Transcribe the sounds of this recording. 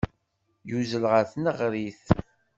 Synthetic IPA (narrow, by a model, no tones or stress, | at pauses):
juzəlʁəθnəʁɾiθ